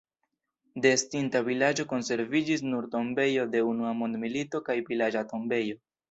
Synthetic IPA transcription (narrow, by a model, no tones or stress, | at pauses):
de̞stintavilad͡ʒo̞ko̞nse̞ɾvid͡ʒis̬nuɾto̞mbe̞jo̞de̞unuamo̞ndmilito̞kajvilad͡ʒato̞mbe̞jo̞